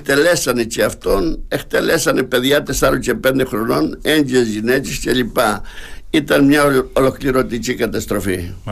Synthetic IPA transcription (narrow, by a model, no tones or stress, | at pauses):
t̪elesanit͡ʃiaft̪onekt̪elesanepeðjat̪esaɾot͡ʃepend̪exɾononend͡ʒesʝinet͡ʃist͡ʃelipait̪anmɲaolokliɾot̪it͡ʃikat̪ast̪ɾofi